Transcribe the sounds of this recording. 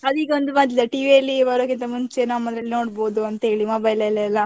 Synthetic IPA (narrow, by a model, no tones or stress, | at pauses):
ɐd̪iːkeond̪umɐt̪̬id̪ɐʈiːʋiɐlːibɐɾoːkint̪ɐmuɲt͡ʃenaːmɐnd̪ɾɐlːinoːɽboːd̪uɐnt̪ɐɦeːɭimoːbɐjlɐɛlːɐɛlːɐ